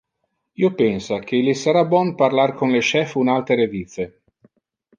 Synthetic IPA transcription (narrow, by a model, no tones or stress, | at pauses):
iopɛnsakʰelisaɾabwɔnparlarkʰonleʃɛfunalt̪ɾeɾevit̪se